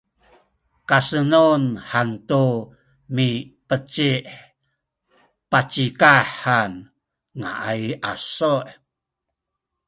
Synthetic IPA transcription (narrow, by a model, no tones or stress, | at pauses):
kasənunħantu | mipət͡ɕiʔ | pat͡ɕikaħan | ŋa̰ʔajʔasoʔ